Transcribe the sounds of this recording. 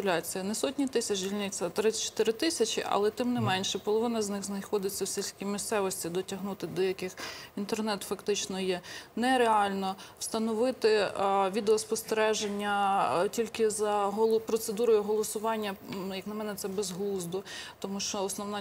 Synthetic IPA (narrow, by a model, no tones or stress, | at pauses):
ʊlʲɑt͡sʲijɐnɛsɔtʲnʲit̪ɪsʲɐt͡ʃdʲilʲnɪt͡sʲːɐt̪ɾɪt͡ʃːɔ̥t̪ɪɾɪt̪ɪsʲɐt͡ʃʲɪ̰ʔɐ̰lˠɛt̪ɪmnɪmɛnʲʃɛpɔlˠɔʋɪnɐznɪxznɐjxɔd̪ɪt͡sʲːɐwsʲilʲsʲkʲimʲist̪sɛʋɔsʲtʲid̪ɔtʲɐɦnut̪ɪd̪ɔjɐkɪxint̪ernɛt̪fɐkt̪ɪt͡ʃnɔjɛnɛɾeɑlʲnɔwst̪ɐnɔʋɪt̪ɪʋʲid̪eɔspɔst̪eɾɛʒenʲːɐtʲilʲkɪzɐɦɔlˠpɾɔt̪sed̪uɾɔjʊɦɔlˠɔsʊʋɑnʲːɐjɐknɐmɛnɛt̪sɛbɛzɦlˠuzd̪ʊt̪ɔmuʃt͡ʃɔːsnɔwnɑ